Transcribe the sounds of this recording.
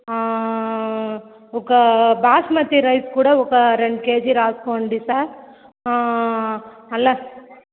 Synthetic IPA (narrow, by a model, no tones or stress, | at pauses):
ɔkɡɐbaːsmɐt̪ːiɾɐɪskuːɽɐɔkːɐɾɛɳɖkeːd͡ʒiɾaːskoɳɖisaːɾ | ɐlːɐ